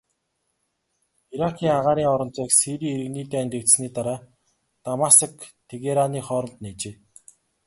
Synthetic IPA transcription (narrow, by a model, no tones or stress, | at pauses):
iɾakʰiːŋaʁaːɾiːŋɔɾɞ̆nt͡sɔːksiɾiːeɾɘ̆ɣniːt̪eːænʲt̪ĕk̚t̪sniːt̪aɾaː | t̪amasə̆kt̪ʰeɣeɾaniːχɔːɾɞ̆nt̪net͡ɕeː